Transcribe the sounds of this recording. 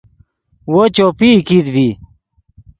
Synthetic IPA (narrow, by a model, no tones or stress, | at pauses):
wot͡ɕopiːkid̪bi